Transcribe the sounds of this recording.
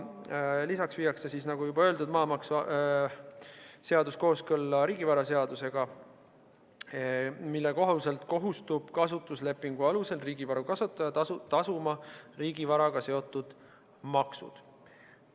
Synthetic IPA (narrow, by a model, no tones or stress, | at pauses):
lisɑksviːjɑksesiːsnɑɡ̥ujubɑø̞ld̪ud̪mɑːmɑksɑ | seɑd̪̥usko̞ːskɤlːɑɾiːɡivɑɾɑse̞ɑd̪̥use̞ɡ̥ɑ | milːeko̞ɦulse̞lt̪ko̞ɦust̪ub̥kɑsut̪ːˑusle̞pːˑiŋɡ̥uɑluse̞lriːɡ̥ivɑɾukɑsut̪ːˑɑjɑt̪ɑt̪ɑsumɑriːɡ̥ivɑɾɑɡ̥ɑse̞o̞t̪ːˑud̪̥ | mɑksṵd̪̥